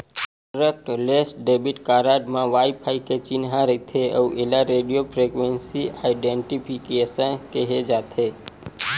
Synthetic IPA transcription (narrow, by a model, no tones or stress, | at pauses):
ɾək̚ʈlesʈɖebiʈkaɾaɖmãʋajpʰaiket͡ʃinɦãɾəit̪ʰeəuʔelaɾeɖijopʰɾekʋensiaɪɖeɳʈipʰikesənkeɦed͡ʒat̪ʰe